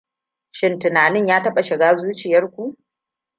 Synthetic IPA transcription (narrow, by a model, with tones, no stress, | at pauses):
ʃɪ˦ntʊ˨naː˨nɪ˦ɲjaː˦tɐ˦ɓa˨ʃɪ˨ɡaː˦zuː˦t͡ʃɪ˨jɐ˦rkʷu˦ʔ